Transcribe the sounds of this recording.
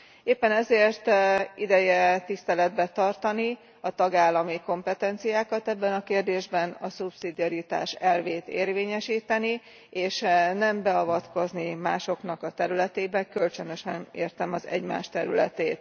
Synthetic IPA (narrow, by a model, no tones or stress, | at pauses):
eːpːɛnɛzeːrt̪id̪ɛjɛt̪ist̪ɛlɛd̪̚bɛt̪ɒrt̪ɒni | ɒt̪ɒɡaːlːɒmiko̞mpɛt̪ɛnt̪sijaːkɒt̪ɛbːɛnɒkeːrd̪eːʒbɛnɒsupsid̪iɒɾit̪a̰ːʃɛlveːt̪ḛːrveːɲɛʃiːt̪ɛni | eːʃnɛmbɛɒvɒt̪ko̞znimaːʃo̞kn̪ɒkɒt̪ɛɾylɛt̪eːbɛkø̞lt͡ʃønøʃɛnḛːrt̪ɛmɒzɛ̰ɟma̰ːʃt̪ɛɾylɛ̰t̪eːt̪